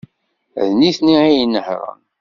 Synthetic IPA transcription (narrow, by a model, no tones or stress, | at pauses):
æ̰ðniθniijnːəħɾˤə̰n